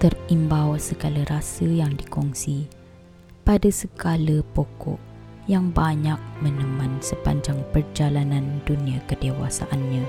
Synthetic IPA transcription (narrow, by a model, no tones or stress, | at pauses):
t̪ərimbawsəɡaləɾasəjaŋdikɔŋsi | padasəɡaləpɔkɔ̰ʔ | jaŋbaɲak̚mənəmãnsəpa̰ɲd͡ʒaŋpərd͡ʒalanãnduniakədewa̰sa̰ʔanɲã